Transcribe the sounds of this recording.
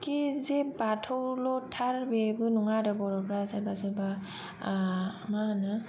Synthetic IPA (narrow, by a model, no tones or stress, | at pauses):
kizebatʰɔwlɔtʰaɾbebɯnɔŋadɔbɔɾɔpɾazabazɯba | manɯ